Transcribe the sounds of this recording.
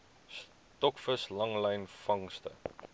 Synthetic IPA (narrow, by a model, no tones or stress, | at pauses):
s | tɔkfəslɐŋlɛjnfɐŋstə̰